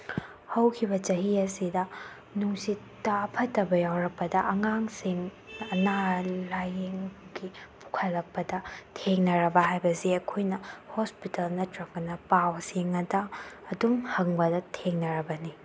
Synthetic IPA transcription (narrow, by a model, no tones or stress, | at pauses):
hɐwkʰibɐt͡ʃɐɦiɐsidɐ | nuŋsitːɐːpʰɐtːɐbɐjawɾɐk̚pɐdɐʔɐŋaŋsiŋɐnalajeŋɡipʰu̥kʰɐlːɐk̚pɐdɐtʰeŋnɐɾɐbɐɦajbɐsiɐkʰojnɐhospitɐlnɐtɾɐkɐnɐpawsiŋɐdɐːdumhɐŋbɐdɐtʰeŋnɐɾɐbɐni